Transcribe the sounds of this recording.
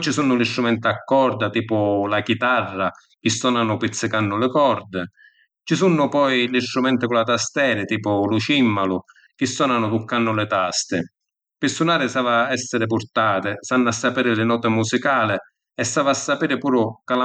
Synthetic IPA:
t͡ʃisunːʊlist̪ɾumɛnt̪ɪakːɔɾd̪at̪iːpʊlakit̪arːa | k̟ɪsːɔːnanʊpit̪sːɪkanːʊlɪkɔɾd̪ɪ | t͡ʃisunːʊpɔjlist̪ɾumɛnt̪ɪkʊlat̪ast̪ɛːɾɪt̪iːpʊluʃimːalʊ | k̟ɪsːɔːnanʊt̪ukːanːʊlɪt̪ast̪ɪ | pɪsːunaːɾɪsaːvaɛsːɪɾɪp̬ʊɾt̪aːt̪ɪsanːʊasːapiːɾɪlɪnɔːt̪ɪmusikaːlɪ | ɛsːaːvaasːapiːɾɪpuːɾʊkala

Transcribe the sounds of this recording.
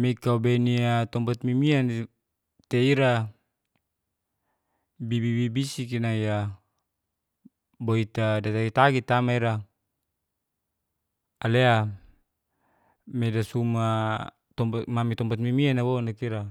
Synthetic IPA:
mekaubeniat̪ɔmbat̪mimian | t̪eiɾa | bibibibisikinaija | boit̪adat̪aɡit̪aɡit̪amaiɾa | alea | medasuma | t̪ɔmbamamit̪ɔmbat̪̚mimianaβonakiɾa

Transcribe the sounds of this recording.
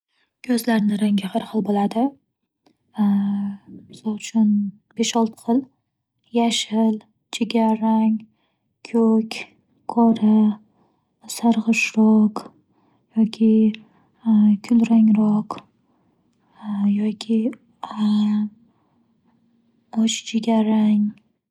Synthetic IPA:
kʲʰɵzlaɾnɪɾaŋʲɪhaɾχɒlˠbolad̪ɪ | mɪsɒlˠʊt͡ʃʰʊn | b̥eʃɒlˠt̪̚qʰɨl | jaʃɪl | t͡ʃʰeɡʲaɾaŋʲ | kʲʰɵkʲ | kʰɒɾa | saɾʁɨʃɾɒq | jɒkʲʰɪ | kʲʰʊlɾaŋɾɒq | jɒkʲʰɪ | ɒt͡ʃt͡ʃʰeɡʲaɾaŋ

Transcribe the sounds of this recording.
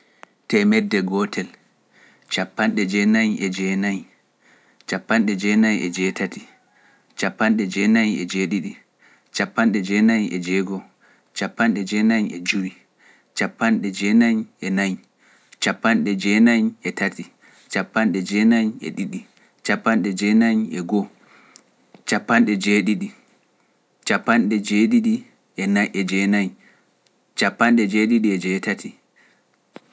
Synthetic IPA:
tɛmɛdːɛɡɔtʰɛl | t͡ʃapːanɗɛd͡ʒɛnaɲʔɛd͡ʒɛnaɲ | t͡ʃapːanɗɛd͡ʒɛnajɛd͡ʒɛtati | t͡ʃapːanɗɛd͡ʒɛnaɲɛd͡ʒɛɗiɗi | t͡ʃapːanɗɛd͡ʒɛnaɲɛd͡ʒɛːɡɔ | t͡ʃapːanɗɛd͡ʒɛnaɲɛd͡ʒuɾi | t͡ʃapːanɗɛd͡ʒɛnaɲɛnaɲ | t͡ʃapːanɗɛd͡ʒɛnaɲɛtʰati | t͡ʃapːanɗɛd͡ʒɛnaɲɛ̰ɗiɗi | t͡ʃapːanɗɛd͡ʒɛnaɲɛɡɔ | t͡ʃapːanɗɛd͡ʒeɗiɗi | t͡ʃapːanɗɛd͡ʒeːɗiɗi | ɛnaʔɛd͡ʒɛnaɲ | t͡ʃapːanɗɛd͡ʒeɗiɗiɛd͡ʒɛtatʰi

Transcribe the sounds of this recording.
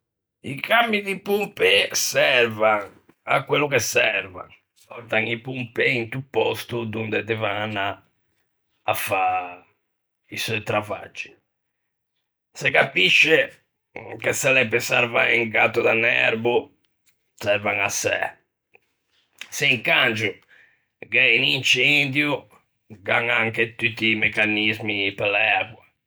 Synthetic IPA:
ḭkamːid̪ipumpɛsɛɾvaŋ | a̰kːwelːɔkɛsːɛɾva̰ŋ | ɔt̪aŋipumpɛint̪upːɔ̰st̪ud̪und̪ɛd̪ɛvanːa | fa | isɔt̪ɾava̰d͡ʒːi̥ | sɛkapiʃːɛ | kɛsɛlɛbɛsɛɾvaiŋɡat̪ːud̪anːɛ̰ɾbu | sɛɾvaŋasːɛ̰ | sɛiŋkand͡ʒu | ɡɛinint͡ʃɛnd̪ju | ɡaŋaŋket̪ːut̪ːimɛkːanizmipɛlːɛɛɣwa

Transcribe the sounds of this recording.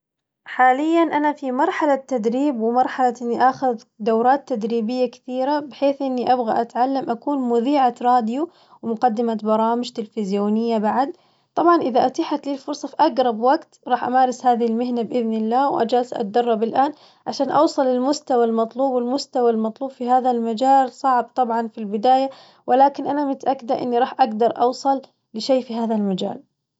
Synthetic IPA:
ħaːlɪjːanʔanafimɑɾˤħalat̪ːad̪ɾiːbwɪmɑɾˤħalaʔɪnːiʔaxʊð | d̪awɾˤɑːt̪ːad̪ɾiːbɪjːakɪ̥θiːɾabɪħeːθʔɪnːiʔabɣa̰ʔat̪ʕalːamʔakuːnmʊðiːʕaɾˤɑːd̪ju | wɪmʊqɑd̪ːɪmabɑɾˤɑːmɪʒt̪ɪlfɪzjoːnɪjːabaʕad̪ | t̪ˤɑbʕɑnʔɪðaʔat̪aħat̪liːlfʊɾsˤɑfiʔaɡɾˤɑbwaɡt̪ɾˤɑːħʔamaːɾˤɪshaːðɪhɪlmɪɦnabʔɪðnɪlːaːwʔa̰d͡ʒaːlsʔa̰t̪̚d̪ɑrˤːɑbɪlʔaːn | ʕaʃaːnʔɑwsˤɑlɪlmʊst̪awalmɑt̪ˤluːbwɪlmʊst̪awalmɑt̪ˤluːbfihaːðalmad͡ʒaːlsˤɑʕɪd̪̚t̪ˤːɑbʕɑnfilbɪd̪aːja | wʔɪlaːkɪnʔanamɪt̪aʔakːɪd̪aʔɪ̰nːiɾˤɑːħʔaɡd̪ɑɾˤʔɑ̰wsˤɑlː | ɪʃeːfiɦaːðalmad͡ʒa̰ːl

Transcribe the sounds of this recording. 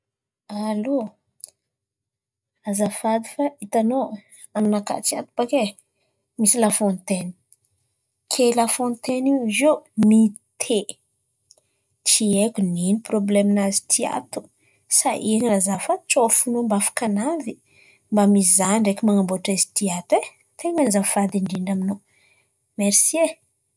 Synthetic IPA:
alu | azafad̪ifait̪ano | aminaka̰t͡ʃia̰t̪u̥pake | misilafõnt̪eni̥ | kʰelafõnt̪enizomit̪ʰe | t͡ʃiekuniniproblemnazi̥t̪ʰia̰t̪u̥ | saʔieŋinazafat͡ʃofunombafḁkanavi | mbamizaɳɖ͡ʐekʲimaŋamboʈ͡ʂazi̥t̪iat̪e | t̪ʰeŋanizafad̪iɳɖ͡ʐiɳɖ͡ʐamino | meɾsie

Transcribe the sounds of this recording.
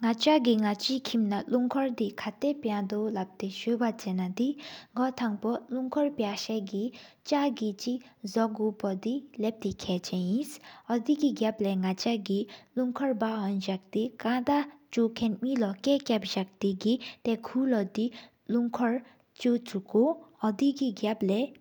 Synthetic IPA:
ŋat͡ɕaʔɡiŋat͡ɕikʰimnaluŋkʰɔɹd̪ikʰat̪epjad̪olap̚t̪eɕøːpat͡ɕenːad̪iŋɡot̪ʰaŋpoluŋkʰɔɹpjaɕɛːɡi | t͡ɕaɡit͡ɕiʔzɔʔɡuːpod̪ilɛp̚t̪ikʰɛːt͡ɕʰɛnjinsɔd̪iɡiɡaplɛŋat͡ɕaɡiluŋkʰɔɹbaɦɔnʑak̚d̪ikãd̪at͡ɕokʰɛnmilɔkɛːkʲap̚ʑak̚d̪iɡit̪ɛkʰulɔd̪i | luŋkʰɔɹ | t͡ɕot͡sukːoɔd̪iɡiɡaplɛ

